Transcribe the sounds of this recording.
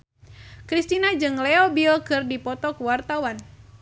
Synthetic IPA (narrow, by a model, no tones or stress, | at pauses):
kɾist̪inad͡ʒɨŋlɛɔbilkɨrdipɔt̪ɔkuwart̪awan